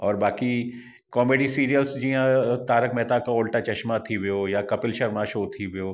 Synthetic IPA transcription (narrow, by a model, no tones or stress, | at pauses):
ɔːɾbaːki | kɔːmeːɖisiːɾijəlsd͡ʒiɦãt̪aːɾəkmɛːt̪akaoːlʈat͡ʃɐʃmat̪ʰiʋejoːjakɐpɪlʃɐɾmaʃoːt̪ʰiʋejoː